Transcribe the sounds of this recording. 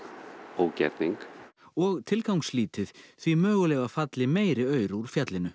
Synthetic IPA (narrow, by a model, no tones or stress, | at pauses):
oːwcɛ̰ɾt̪niŋkɔɣt̪ʰɪlkawŋksliːt̪ɪθθvimœːɣʏlɛːɣafat̪lɪmeːjɾɪœːɥɾuɾ̥fjat̪lɪnʏ